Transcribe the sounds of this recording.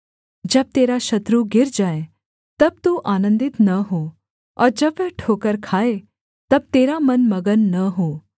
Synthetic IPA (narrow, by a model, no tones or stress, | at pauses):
d͡ʒəb̚t̪eːɾaʃɐt̪ɾuɡɪɾd͡ʒaːe | t̪əb̚t̪uʔaːnə̃nd̪ɪt̪nəɦo | ɔ̰ɾd͡ʒəbeʈʰokəɾkʰaːe | t̪ɐb̚t̪eːɾamənməɡənːəɦoː